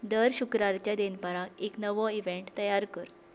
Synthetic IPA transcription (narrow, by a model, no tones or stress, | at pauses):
d̪əɾɕukɾaɾt͡ɕjad̪enpəɾãeknəʋɔiʋeɳʈt̪əjaɾkəɾ